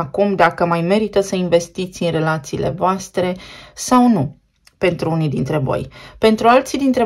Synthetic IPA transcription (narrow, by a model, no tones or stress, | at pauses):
akumd̪akəmajme̞ɾit̪əsəiɱve̞st̪it̪sʲɨnre̞lat̪siːlʔe̞̰voast̪ɾe̞sawnu | pe̞nt̪ɾuunid̪int̪ɾe̞vo̞̰jpe̞nt̪ɾualt̪sid̪int̪ɾe̞